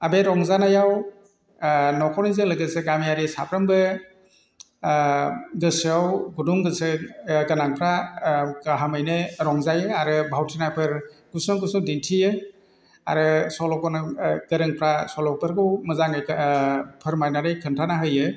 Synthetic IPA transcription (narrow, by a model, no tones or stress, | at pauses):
abeɾɔŋzanajaw | nɔkʰɔɾnizɯŋlɯɡɯseɡamijaɾisa̰pʰɾɯmbɯ | ɡɯsawɡuduŋɡɯsɯɡɯnaŋpʰɾa | aɦamɯjnɯɾɔŋzajɯaɾɯbʱawtʰinajpʰɯɾɡ̥usɯɡusɯwdintʰijɯ | a̰ɾɯsɔlɔkɔnɯɡɯɾɯŋpʰɾasɔlɔk̚bɯɾɡɯwmɯzaŋɯjkpʰɯɾmajnaɾɯjkʰɯntʰanaɦɯjɯ